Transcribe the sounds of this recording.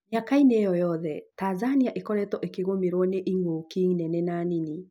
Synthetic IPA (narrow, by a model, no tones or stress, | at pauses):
ɲakainejɔjɔðɛtaːzaniaʔekɔɾɛtɔʔekeɣomeɾwɔneʔiŋɡokiŋnɛnɛnanini